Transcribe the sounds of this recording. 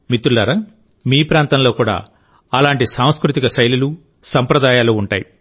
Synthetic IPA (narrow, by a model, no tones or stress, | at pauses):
mit̪ːɾulɐɾɐ | miːpɾaːnt̪ɐnlo̞ːkuːɽa̰ː | ɐlaːɳʈisaːw̃skɾut̪ikɐsɐjlulu | sɐmpɾɐd̪aːjaːluːuɳʈa̰ːjḭ